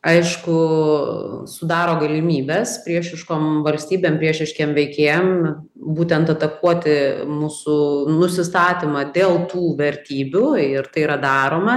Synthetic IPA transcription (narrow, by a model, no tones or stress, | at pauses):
ɐɪʃkʊ | sʊd̪ɑːɾoːɡɐlʲɪmʲiːbʲespʲɾʲiɛʃʲɪʃkoːmʋɐlʲsʲt̪ʲiːbʲeːmpʲɾʲiɛʃʲɪʃʲkʲeːmʋʲɛɪkʲeːjɛm | buːt̪ʲɛnt̪ɐt̪ɐkuɔt̪ʲɪmuːsʊnʊsʲɪst̪ɑːt̪ʲɪmɐd̪ʲeːlˠt̪uːʋʲɛɾʲt̪ʲiːbʲuɪɾt̪ɐɪiːɾɐd̪ɑːɾoːmɐ